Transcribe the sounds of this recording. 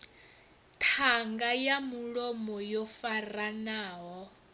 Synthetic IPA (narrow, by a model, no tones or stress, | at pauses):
tʰaŋɡajamuɺomɔjɔfaranaːɦɔ